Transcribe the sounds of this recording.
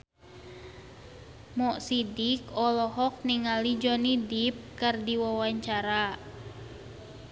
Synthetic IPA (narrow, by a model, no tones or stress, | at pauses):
mɔʔsidikɔlɔɦɔk̚niŋalid͡ʒɔnidip̚kɨrdiwawaɲt͡ʃaɾa